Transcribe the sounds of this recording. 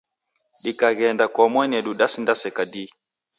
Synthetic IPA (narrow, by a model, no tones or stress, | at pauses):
ɗikaɣɛndakɔmwɛnɛɗuɗasindasɛkadi